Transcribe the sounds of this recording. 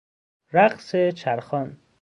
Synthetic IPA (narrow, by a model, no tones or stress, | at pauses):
ɾæqset͡ʃʰæɾxɒn